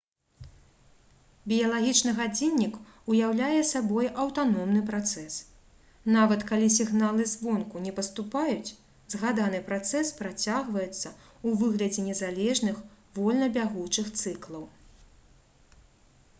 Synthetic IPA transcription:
bʲijɐlˠaɣʲit͡ʂnɨɣad͡zʲinʲːik | ujawlʲajɛsabɔjʔɐwt̪anɔmnɨpɾat̪sɛs | navɐt̪kalʲisʲiɣnalˠɨzvɔnkunʲɛpɐst̪upajut͡sʲ | zɣad̪anɨpɾat̪sɛspɾat͡sʲaɣvɐjɛt̪sːɐ | uvɨɣlʲɐd͡zʲɛnʲɛzalʲɛʐnɨx | vɔlʲnɐbʲaɣut͡ʂɨxt̪sɨklˠɐw

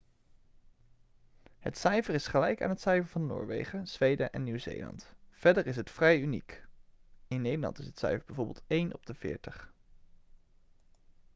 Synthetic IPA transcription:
ɦə̰tsɛjvəɹɪsχəlɛjka̰ːnɦətsɛjvəɹvɑnnʊ̰ːɹʋḛjχəz̥ʋejdəʔɛnːywzḛjlɑ̰ntfɛdəɹɪsɦətfrɛjynḭk | ɪnːejdəɹlɑ̰ntɪsɦətsɛ̰jfəɹbɛjvoːɹbɪ̰lˠtejnʔɔb̚dəv̥ɪ̰ːɹtəχ

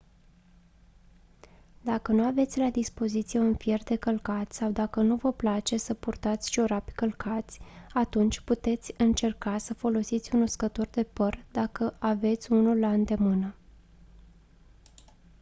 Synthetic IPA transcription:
d̪akənuave̞t̪sʲlad̪ispo̞zit̪sije̞unfje̞rd̪e̞kəlkat̪sawd̪akənuvəplat͡ʃe̞səpurt̪at̪sʲʃio̞ɾape̥kəlkʰat̪sʲat̪unt͡ʃʲput̪e̞t̪sʲɨnt͡ʃe̞rkasəfo̞lo̞sit̪sʲunuskət̪o̞rd̪e̞pərd̪akəʔave̞t̪sʲunulːaɨnd̪e̞mɨnə

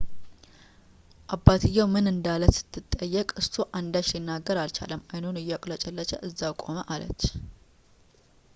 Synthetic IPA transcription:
ʔabːat̪ʰɨjːawmɨnɨnd̪aləsɨ̥t̪ʰːɨt̪ʼːəjːɛkʼɨst̪ʰoʔand̪at͡ʃsinːaɡːəɾalt͡ʃa̰ləmajnonɨjakʼlət͡ʃʼɛlːət͡ʃəʔɨzːawkʼo̞məʔalə̰t͡ʃː

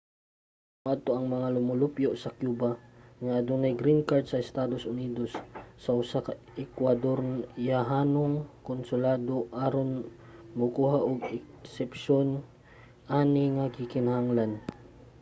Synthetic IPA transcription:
mʊʔad̪̚t̪oʔɐŋmɐŋalʊmʊlʊpjoʔsɐkjuːbaŋaʔad̪uŋnɐjɡɾinkaɹd̪̚sɐɪst̪aːd̪osʊniːd̪osːɐʔʊsaka | ɛkwad̪oɾnjaɦaːnoŋkonsʊlaːd̪oʔaɾon | mʊkuːɦaʔʊɡɛksɛpʃon | ʔaːnɪŋakɪkɪnahaŋlan

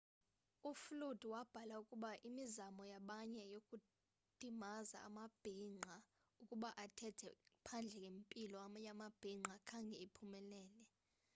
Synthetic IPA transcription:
uflud̥ʱwab̥ʱalaukʼuɓaʔimizamɔjaɓaɲɛjokʼu | d̥ʱimaza̰ːmab̥ʱiŋ͡ǃʱa | ukʼuɓaʔatʰɛtʰɛ̰pʰand͡ɮʱɛkʼempʼilɔjamab̥ʱiŋ͡ǃʱakʰaŋɡʱɛepʰumɛlɛːlɛ

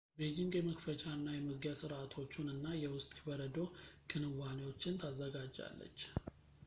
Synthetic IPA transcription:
bed͡ʒɪŋɡjɛməkfət͡ʃʼanːajɛməzɡjasɨɾʔat̪ʰo̞t͡ʃːunɨnːajɛwʊst̪ʼkʰəbəɾəd̪o̞kʰɨnɨwanewo̞t͡ʃːɪnt̪ʰazːəɡad͡ʒːa̰lːə̰t͡ʃː

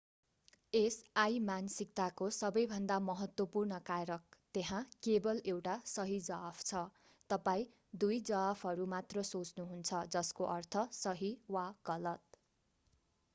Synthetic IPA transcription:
esajmansik̚t̪akosʌbʌjbʱʌnd̪amʌɦʌt̪wʌpurnʌkaɾʌk̚t̪eɦãkebʌlewʈasʌɦid͡zʌpʰt͡sʰʌ | t̪ʌpaĩ | d̪ujd͡zʌpʰɦʌɾumat̪rʌsot͡snuɦunt͡sʰʌd͡zʌskoʔʌrt̪ʰʌsʌɦiwaɡ̥ʌlʌt̪̚

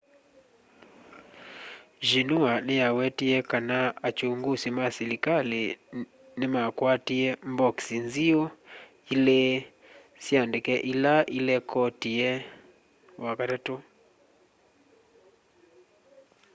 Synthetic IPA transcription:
ʒinuanɪjawɛtiɛkanaat͡ʃuŋɡusimasilikali | nɪmakwatiɛmbɔksinzio | ile | sjandekɛʔilaʔilɛkɔtiɛ | wakaɾɛto

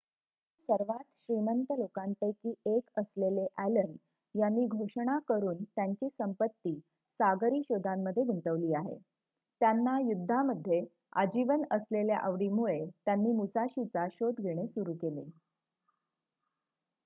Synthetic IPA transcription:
səɾʋat̪ɕɾimənt̪əlokant̪ekiːekəsleleʔæləɳɖ | janːiːɡʱoʂɽ̃akəɾuːnt̪jaɲt͡ɕiːsəmpət̪ːiː | saɡɾiːɕod̪ʱamːəd̪ʱːjeɡʱuɳt̪əʋliːaɦḛ | t̪janːajud̪ʱːaməd̪ʱːje | ə̰d͡ʑiʋənəslelja̰ʔəʋɽimuɭet̪janːiːmusaɕit͡saɕod̪ɡʱeɽ̃esuɾuːkelḛ

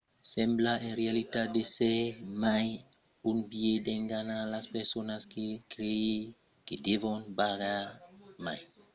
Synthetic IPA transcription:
semblaenɾealitadesemaj | unbiedeŋɡanalaspeɾsonaskekɾei | kedevonbaɡamaj

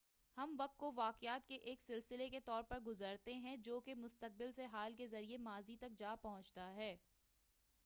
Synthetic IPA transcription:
hɐmʋɐk̚t̪̚koʋaːqɪjaːt̪̚keʔeːksɪlsɪleket̪ɔːɾpɐɾɡʊzəɾt̪eɦɛ̃d͡ʒoːkemʊst̪əq̚bɪlseɦaːlkezɐɾiemaːzit̪ɐk̚d͡ʒaːpɐɦʊ̃t͡ʃt̪aɦɛː

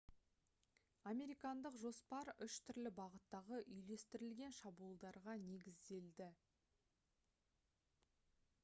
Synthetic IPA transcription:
ame̞ɾijkɑnd̪əqʒo̞spɑɾʏʃt̪ʰʏɾlɪbɑʁət̪ːɑʁəʔʏjle̞st̪ɪɾɪlɡʲe̞nʃɑbulˠd̪ɑɾʁɑne̞ɡʲɪzd̪e̞ld̪ɪ

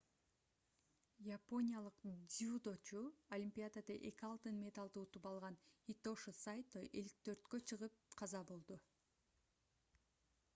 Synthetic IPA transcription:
japo̞nʲijalˠɯqd̪ʲiud̪o̞t͡ʃuolʲimʲpʲijad̪ad̪ɑʔe̞kʲiɑlˠt̪ɯnmʲe̞t̪alˠd̪ɯut̪upɑlˠʁɑnit̪o̞ʃɨsajt̪ːojʔe̞lik̚t̪ʰø̞ɾt̪kø̞t͡ʃʰɯʁɯp̚qʰɑzɑbolˠd̪u

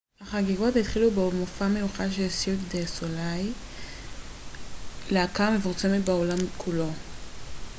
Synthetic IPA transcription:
aχaɡiɡotit̪χilubemofame̞juχaʃ̬esjukd̪esolaj | leakaʁme̞fuʁt͡se̞metbeolamkʰulo̞

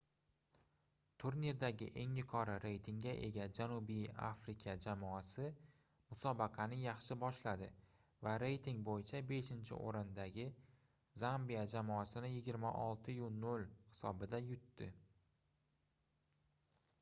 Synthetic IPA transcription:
t̪ʰuɾniɾd̪aɡʲɪ̰ʔe̞ŋjʊqʰɒɾaɾe̞jt̪ʰɪŋɡʲaʔe̞̰ɡʲad͡ʒanubija̰fɾɪkʲʰad͡ʒamɒasɪ | mʊsɒbɑqʰɑnɪjɑχʃɪbɒʃlad̪ɪ | vaɾe̞jt̪ʰɪŋbojɪt͡ʃʰabe̞ʃɪnt͡ʃʰɪ̰ʔo̰ɾɪnd̪aɡʲɪ | zambijad͡ʒamɒasɪnɪjɪɡʲɪɾmaʔɒlˠt̪ʰɪjʊnolˠhɪ̥sɒbɪd̪ajʊt̪ːɪ

